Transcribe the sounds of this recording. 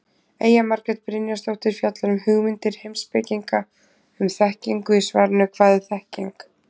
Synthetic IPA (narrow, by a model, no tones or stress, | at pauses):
ḛːjamaɾkɾɛt̪̚pɾɪnjast̪owht̪ɪɾ̥fjat̪lanʏmhʏɣmɪnt̪ɪɾ̥hejmspɪciŋka | ʏmθɛhciŋkʏisvaɾnʏkʰvaːðɪθɛhciŋk